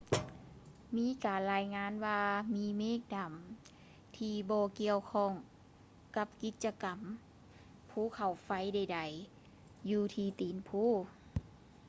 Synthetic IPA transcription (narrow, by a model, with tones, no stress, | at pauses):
miː˧˥˨kaː˨˩nlaː˧˥jŋaː˧˥˨nwaː˧miː˧˥meː˧˥˨k̚da˨˩m | t̪ʰiː˧bɔː˧ki˧əwkʰɔː˧˩˨ŋ | ka˧˥p̚ki˧˦t̪̚t͡ɕa˧ka˨˩m | pʰuː˧˩˦kʰa˨˩wfa˧˥˩jda˧˩jda˨˩j | juː˧t̪ʰiː˧t̪iː˨˩npʰuː˧˥˨